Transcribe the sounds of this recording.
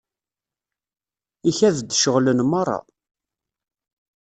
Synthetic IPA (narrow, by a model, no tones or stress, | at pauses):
içæðd̪ʃəʁlənmɑrˤːɑ̰